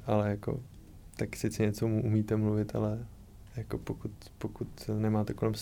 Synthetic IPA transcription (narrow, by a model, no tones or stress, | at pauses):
ʔalɛjako̰ | t̪aksɪt̪t͡sɪɲɛt͡somuʔumiːt̪ɛmluvɪt̪a̰lɛ | jako̞pokut̪ | pokut̪nɛmaːt̪ɛko̞lɛms